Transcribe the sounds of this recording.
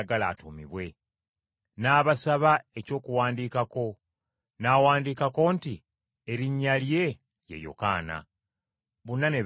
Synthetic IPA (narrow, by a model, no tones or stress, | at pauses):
ɡala̰to̰mḭβwe̞ | naːβasaβae̞co̞ːkuwaːndiːkako̞ | nawaːndiːkako̞nti | eɾiɲːalje̞ | jḛjo̞̰ka̰ːna̰ | βunːane̞